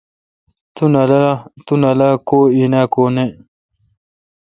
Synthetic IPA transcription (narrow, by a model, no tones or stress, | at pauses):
t̪unalt̪unalakoinakone